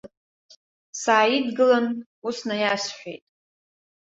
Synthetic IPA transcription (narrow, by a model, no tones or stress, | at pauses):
saːidɡɨlan | usnajasħʷᶣḛjtʼ